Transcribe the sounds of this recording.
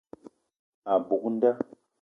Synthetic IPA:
a˨bu˨kn˦da˦

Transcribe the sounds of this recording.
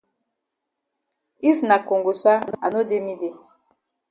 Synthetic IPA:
i˦fna˨ko˨ŋɡo˨sa˦a˨no˦de˦mi˦de˦

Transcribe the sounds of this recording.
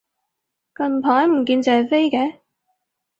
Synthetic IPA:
kɐ˧npʰaː˨˥jm̩˨˩k̬iː˧nt͡sɛ˨ɐ˨jfe˥jkɛː˨˥˦

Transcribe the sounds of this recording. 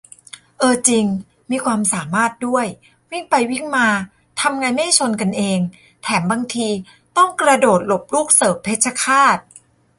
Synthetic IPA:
ʔɤː˧t͡ɕi˧ŋ | miː˧kʰwaː˧msaː˩˦maː˥˩t̪̚du˥˩əj | wi˦˥˩ŋpa˧jwi˥˩ŋmaː˧ | t̪ʰa˧mŋaː˧jma˥˩t͡ɕʰo˧nka˧nʔeː˧ŋ | t̪ʰɛː˩˦mbaː˧ŋt̪ʰiː˧ | t̪ɔ˥˩ŋkɾa˧doː˨˩t̪̚lo˨˩p̚luː˥˩k̚sɤː˩˦pʰeː˦˥t̪̚t͡ɕʰa˧kʰaː˥˩t̪̚

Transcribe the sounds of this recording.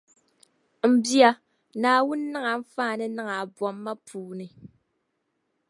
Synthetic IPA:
m̩˨bja˨ | naː˨wu˦nː˦a˦ŋa˨ɱ̩˦faː˦˨nɛ˦na˦ŋa˨bwɔ˨mːa˦pʰuː˨ni˨

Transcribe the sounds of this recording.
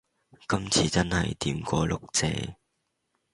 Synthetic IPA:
kɐ˥mt͡sʰiː˨˧t͡sɐ˥nhɐ˨jt̪iː˨˧mkʷɔː˧lʊ˨k̚t͡sɛ̰ː˧

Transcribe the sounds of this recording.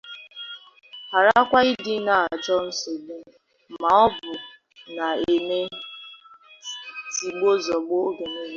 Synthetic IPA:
ha˨ɾa˦kʷa˦i˦dɪ˦na˨a˨d͡ʒɔ˦n̩˦so˨bu˦˨ | ma˨ɔ˦bʊ˨ | na˨e˨me˦ | ti˨ɡ͡bo˦zɔ˨ɡ͡bo˦ɡe˨ni˦ɦe˦

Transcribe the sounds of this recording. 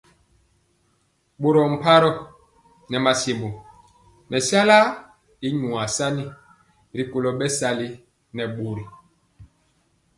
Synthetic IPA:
ɓo˨ɾɔ˨m̩˨pa˦ɾɔ˦ | nɛ˨ma˨se˨mbo˨ | mɛ˨sja˦la˦ | i˦ɲwa˨sa˦ni˦ | ɾi˨ko˨lɔ˨ɓɛ˦sa˦li˦ | nɛ˨ɓo˨ɾi˨

